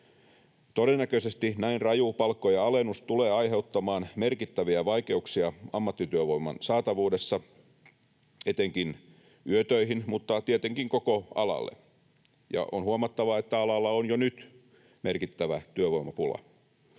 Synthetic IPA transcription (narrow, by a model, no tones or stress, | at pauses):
t̪oɾenːækøsest̪inæinrɑjupɑlkːojɑɑlenust̪uleːɑiɦe̞ut̪ːɑmɑːnmerkit̪ːæʋiæʋɑike̞uksiɑɑmːɑt̪ːit̪yøʋoimːɑ̰nsɑːt̪ɑʋuːdesːɑ | et̪eŋkin | yøt̪øiɦinmut̪ːɑt̪iet̪eŋkiŋkokoɑ̰lɑ̰lːḛ | jɑ̰ʔonhuɑmɑt̪ːɑʋɑet̪ːæɑlɑlːɑonjonyt̪ | merkit̪ːæʋæt̪yøʋojmɑpulɑ̰